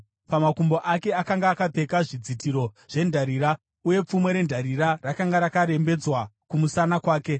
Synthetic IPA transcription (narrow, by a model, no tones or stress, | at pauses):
pamakumbo̞ʔake̞akaŋɡaːkape̞kaʐid͡zitiɾo̞ʐ̥e̞ndʱaɾiːɾa | uje̞p͡fumwe̞ɾe̞ndʱaɾiɾarakaŋɡaɾakaɾe̞mbe̞d͡zwakumusanakwaːke̞